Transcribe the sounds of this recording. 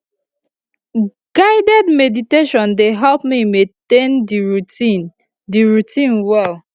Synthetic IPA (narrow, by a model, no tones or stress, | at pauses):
ɡ̥aɪdɛdmediteʃɔ̃ndeɦɛlpmimẽtendiɹuin | diɹutʰĩnwɛl